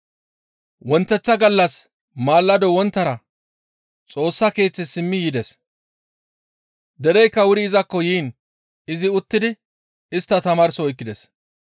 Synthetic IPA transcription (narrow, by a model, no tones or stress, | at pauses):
wɔnt̪ːɛt͡sːɐɡɐlːɐs | maːlːɐd̪ɔwɔnt̪ːɐɾɐ | t͡sʼo̞ːsːɐke̞ːt͡sːɛsɪmːɪjɪd̪ɛs | d̪ɛɾɛjkːɐwʊɾɪɪzɐkːɔjiːn | ɪzɪʊt̪ːɪd̪ɪ | ɪst̪ːɐt̪ɐmaːɾsɔɔjkːɪd̪ɛs